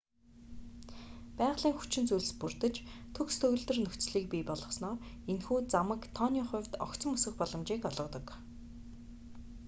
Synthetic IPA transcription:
pæːʁɮiːŋxu̥t͡ɕɪ̆nt͡sujɮ̆spurt̪ə̆t͡ɕt̪ʰɵkst̪ʰɵɣɵ̆ɮt̪ɘ̆rnɵxʲt͡sɮiːk̚piːpɔɮɞ̆snɔːr | enxuːt͡samə̆kt̪ʰɔnʲiχʊ̟wʲt̪ɔ̰kt͡sə̆mɵsɵ̆xpɔɮɞ̆mt͡ɕiːkɔɮʁɞ̆t̪ɞ̆k

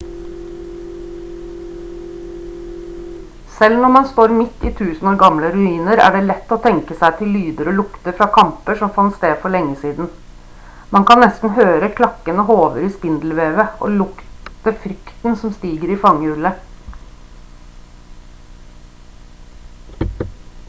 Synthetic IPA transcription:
sɛlnɔmɑnst̪oːɾmɪt̪ːiːt̪ʰʉːsn̩oːɾɡɑmləɾʉiːnəɾæ̰ːɖeːlɛt̪ːoːt̪ʰɛŋkəsæɪt̪ʰɪlːyːd̪əɾoːlʊkt̪əɾfɾɑːkʰɑmpəʂɔmfɑnst̪eːd̪fɔɭɛŋːəsiːd̪n̩ | mɑnŋkʰɑnnɛst̪n̩høːɾəkʰlɑkənəhoːʋəɾiːspɪnd̪l̩ʋeːʋəʔo̰ːlʊkt̪əfɾʏkt̪n̩sɔmst̪iːɡəɾiːfɑŋːəʉlə

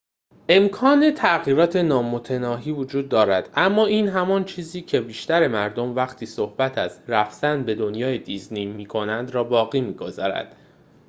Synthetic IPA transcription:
ʔe̞mkʰɒːne̞t̪ʰæɣiːɾɒːt̪ʰe̞nɒːmot̪ʰe̞nɒːɦiːvod͡ʒuːd̪ːɒːɾæd̪̥ʔæmːɒːiːnɦæmɒːnt͡ʃʰiːziːcʰe̞biːʃt̪æɾe̞mæɾd̪omvæxt̪ʰiːsohb̥æt̪ʰæzræfz̥ænbe̞d̪o̞njɒːjed̪iznejmiːkʰo̞nænd̪ɾɒːbɒːɣiːmiːɡo̞zɒ̰ːɾæ̰d̪̥

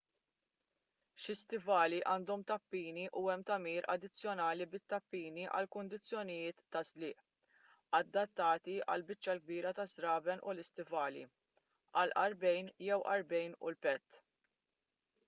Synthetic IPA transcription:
ʃɪst̪ɪvɐːliʔɐːnd̪ɔmt̪ɐpːiːniʔuɛmt̪ɐmiːɾɐ̰d̪ɪt͡sːjɔnɐːlibɪt̪ːɐpːiːniʔɐ̰lkʊnd̪ɪt͡sːjɔnɪjɪːt̪ːɐzlɪːʔ | ɐd̪ːɐt̪ːɐːt̪iʔɐ̰lbɪt͡ʃːɐlɡ̚biːɾɐt̪ɐsɾɐːbɛnʔʊlɪst̪ɪvɐːlḭ | ʔɐlʔɐɾbɛjnjɛwʔɐ̰ɾbɛjnʊ̰lpɛt̪ː

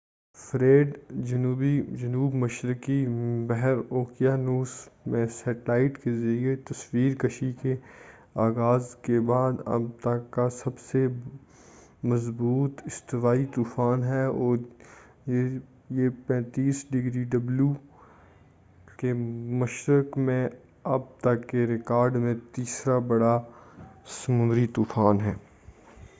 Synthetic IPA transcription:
fɾeːɖd͡ʒɐnuːbid͡ʒɐnuːbmɐʃɾɪkibɛɦɛɾoːkijanuːsmẽsɛːʈlaːɪʈkezɐɾiet̪ɐswiːɾkɐʃike | aːɣaːzkebaːd̪ɐ̰b̚t̪akasɐbse | mɐzbuːt̪ɪst̪ɪʋaːit̪uːfaːnɦɛɔːɾ | e | jepɛ̃ːt̪iːsɖɪɡɾiɖɐblju | kemɐʃɾəkmẽ | ɐb̚t̪ɐkːeɾɪkaːɾɖmẽt̪iːsɾabɐɽa | sɐmʊ̃nd̪ɾit̪uːfaːnɦɛː

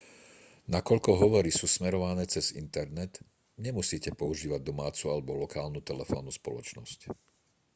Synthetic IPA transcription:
nakɔʎkɔɦɔʋɔɾisuːsmɛɾɔʋanɛːt͡sɛz̥ḭnt̪ɛɾnɛt̪ | ɲɛmusiːcɛpɔuʒiːʋaɟ̚d̪ɔmaːt͡sualɛbɔlɔkaːlnut̪ɛlɛfɔ̰ːnuspɔ̰lɔt͡ʃnɔsc

